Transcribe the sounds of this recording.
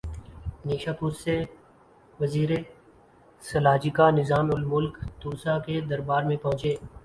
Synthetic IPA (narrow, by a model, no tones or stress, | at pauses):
neːʃaːkʊsːeː | ʋəziːɾeː | səlaːd͡ʒiːkaːnɪzaːmʊlmʊlkt̪uːsaːked̪əɾbaːɾmẽpəɦʊ̃t͡ʃeː